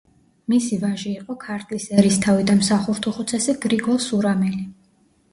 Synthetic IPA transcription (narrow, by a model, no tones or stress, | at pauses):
misivaʒiːqʼɔkʰaɾt̪ʼisɛɾist̪ʰavid̪anmsaχuɾt̪ʰuχut̪sʰɛsɛɡ̥ɾiɡɔlˠsuɾamɛli